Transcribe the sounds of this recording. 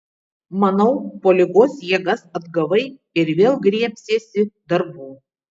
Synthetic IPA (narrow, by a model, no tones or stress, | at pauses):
mɐnɐʊpoːlʲɪɡoːsjiɛɡɐsɐd̪ɡɐʋɐɪ | ɪɾʋʲeːlˠɡɾʲiɛpʲsʲeːsʲɪd̪ɐɾbuː